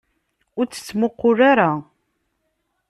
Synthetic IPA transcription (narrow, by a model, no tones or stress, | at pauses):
ʊɾt͡sːə̥t͡sːmʊqːʊraɾa